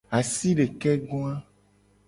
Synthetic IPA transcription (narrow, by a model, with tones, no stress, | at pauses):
a˨si˦ɖe˨kɛ˦ɡo˦a˦